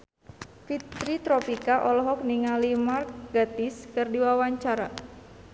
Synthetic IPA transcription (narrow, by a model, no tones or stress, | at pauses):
fit̪ɾit̪ɾɔpikaʔɔlɔɦɔk̚niŋalimark̚ɡat̪iskɨrdiwawaɲt͡ʃaɾa